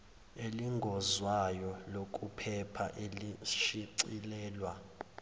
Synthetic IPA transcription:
eliŋɡʱɔzwajɔlok̬ʼupʰɛpʰa̰ʔeliʃiǀilɛːlwa

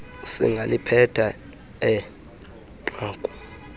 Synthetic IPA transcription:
sḭŋɡʱalipʰɛtʰa | ɛ | ǃaːkʼu̥

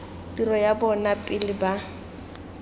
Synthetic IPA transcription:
tirɔjabɔnapʼɪlɪba

